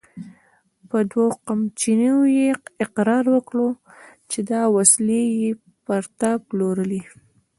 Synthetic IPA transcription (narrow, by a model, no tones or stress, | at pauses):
pəd̪waqamt͡ʃiniojeɪqɾɑɾwəkɽot͡ʃed̪ɑwasleje | paɾt̪aploɾəli